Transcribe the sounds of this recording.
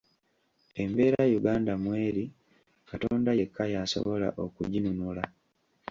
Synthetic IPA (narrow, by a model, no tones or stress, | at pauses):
e̞mbe̞ːɾajuɡaːndamwe̞ːɾi | katoːndajekʰːajaso̞̰βo̞la̰ʔo̞kṵɟinunula